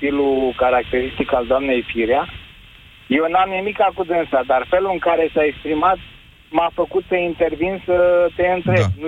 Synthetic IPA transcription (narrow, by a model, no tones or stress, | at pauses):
t̪ilukaɾak̚t̪e̞ɾist̪ikald̪oamne̞jfiɾia | jewnamnimikakud̪ent̪sad̪arfe̞luɨŋkaɾe̞saekspɾimat̪̚ | mafəkut̪səint̪e̞rvinsət̪e̞ɨnt̪ɾe̞b̚nu